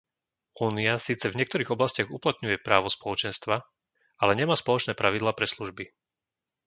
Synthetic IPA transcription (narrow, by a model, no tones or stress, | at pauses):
uːniasiːt͡sɛvɲɪɛkt̪ɔɾiːɣɔblascɪaɣuplat̪ɲujɛpɾaːʋɔspɔlɔt͡ʃɛnst̪ʋa | alɛɲɛmaːspɔlɔt͡ʃnɛːpɾaʋid̪laːpɾɛsluʒbi